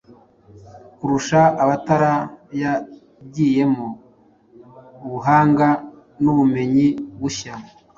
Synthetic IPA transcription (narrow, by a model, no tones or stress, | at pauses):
kuɾuʃaːβataɾaja | ɟiːje̞mo | βuɦaːŋɡa | nuβume̞ɲiβuça